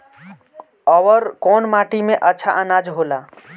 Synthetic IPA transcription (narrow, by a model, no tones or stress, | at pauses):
ɔʋəɾkɔːnmaʈimẽʔətːt͡ʃʰa̰ʔənad͡ʒɦola